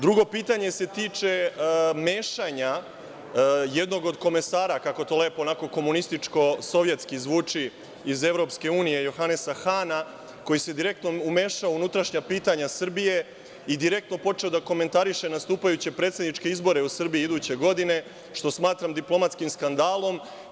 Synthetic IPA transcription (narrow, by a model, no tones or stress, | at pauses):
d̪ɾuɡo̞piːt̪aɲe̞se̞t̪iːt͡ʂe̞me̞ːʃaɲa | je̞d̪no̞ɡo̞d̪ko̞me̞saːɾakako̞t̪o̞le̞ːpoːnako̞ko̞munist̪it͡ʂko̞so̞ʋje̞t̪skizʋuːt͡ʂi | ize̞ʋɾo̞ːpske̞uːnije̞jo̞xanesaxana | ko̞jise̞d̪iɾe̞kt̪noume̞ːʃaounut̪ɾaʃɲapiːt̪aɲasr̩bije̞ | id̪iɾe̞k̚t̪no̞po̞t͡ʂe̞od̪ako̞me̞nt̪aɾiʃe̞nast̪uːpajut͡ɕe̞pɾet̪se̞d̪niʈ͡ʂkeizbo̞ɾe̞usr̩biiid̪uːt͡ɕe̞ɡo̞d̪ine̞ | ʃt̪o̞smaːt̪ɾamd̪iplo̞mat̪skimskand̪aːlˠo̞m